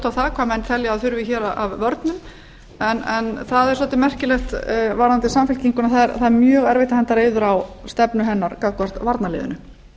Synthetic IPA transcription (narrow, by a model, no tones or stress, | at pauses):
t̪aθaːkʰvamɛnt̪θʰɛljaːðθʏɾvɪçɛːɾaʔavːœɾt̪nʏm | ɛnɛnθaðɛɾ̥sɔːt̪ɪmɛr̥cɪlɛxt̪vaːɾant̪ɪsamfɪlciŋkʏnaθaɛɾθaðɛɾmjœːɣɛɾvɪht̪ahɛnt̪aɾeːjðʏɾawst̪ɛpnʏɦɛnːaɾkaðkɔr̥t̪vaɾt̪nalɪ̰ːðʏ̰nʏ